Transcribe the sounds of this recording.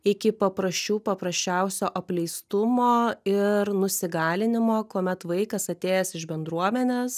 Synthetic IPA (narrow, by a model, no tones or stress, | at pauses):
ɪkʲɪpɐpɾɐsʲt͡ʃʲuːpɐpɾɐsʲt͡ʃʲɛʊsʲoːʔɐpʲlʲɛɪst̪ʊmoːɪɾnʊsʲɪɡɑːlʲɪnʲɪmoːkuɔmʲɛt̪ʋɐɪkɐsɐt̪ʲeːjɛsɪʒbʲɛnd̪ɾuɔmʲɛnʲeːs